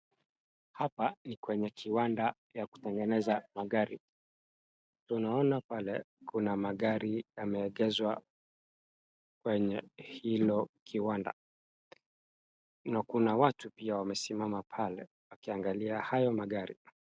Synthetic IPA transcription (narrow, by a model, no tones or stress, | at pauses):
hapanikwɛɲɛkʰiwanda | jaku̥tɛŋɡɛnɛzamaɠaɾi | tunaɔnapalɛ | kunamaɠaɾijamɛːɠɛzwa | kwɛɲɛhilɔkʰiwanda̰ | nakunawatupiawamɛsimamapʰalɛ̰ | wakiaŋɡaliahajɔmaɠaɾḭ